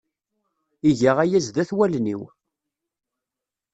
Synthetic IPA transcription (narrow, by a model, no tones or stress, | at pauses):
iʝaʁæjæzðæθwælnḭw